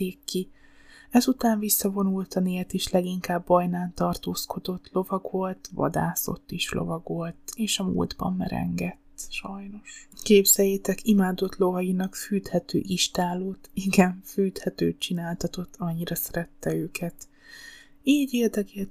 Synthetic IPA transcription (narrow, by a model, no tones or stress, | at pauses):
eːkːi | ɛzut̪aːɱvisːɒvo̞nult̪ɒneːlt̪iʃlɛɡiŋkaːbːɒjnaːnt̪ɒrt̪oːsko̞d̪o̞t̪lo̞vɒɡvo̞lt̪vɒ̰d̪a̰ːso̞̰t̪ːiʃlo̰vɒɡo̞lt̪eːʃɒmṵːld̪bɒ̰mːɛ̰ɾɛ̰ŋɡɛt̪ːʃɒjno̞ʃkeːbz̥ɛjeːt̪ɛkimaːd̪o̞t̪lo̞vɒjinɒkfyːt̪hɛt̪ø̰ːʔiʃt̪aːloːt̪iɡɛɱfyːt̪hɛt̪øːt͡ʃinaːlt̪ɒt̪o̞t̪ʰːɒɲːiɾɒsɛɾɛt̪ːɛøːkʰɛt̪ | iːɟeːrd̪ɛɡɛ